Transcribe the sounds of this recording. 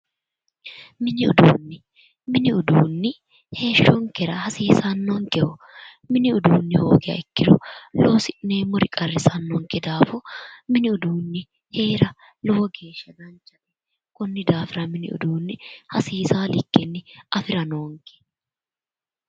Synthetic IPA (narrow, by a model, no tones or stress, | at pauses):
mɪnɪʊd̪uːnːɪ | mɪnɪʊd̪uːnːɪ | he̞ːʃːɔŋkɛɾɐhɐsiːsɐnːoːŋkɛʔɔ | mɪnɪʊd̪uːnːɪhoːɡɛɐ̰ɪkːɪɾɔ̰lo̞ːsɪʔneːmʊɾɪkʼɐrːɪsɐnːoŋkɛd̪aːfɔmɪnɪʊd̪uːnːɪ | he̞ːɾɐ | lɔwɔɡe̞ːʃːɐɡɐnt͡ʃːɐtɛ | kʼɔnːɪd̪aːfɪɾɐmɪnɪʊ̰d̪uːnːɪhɐsiːsaːlɪkːɛnːɪɐfɪɾɐnoːŋkɛ̥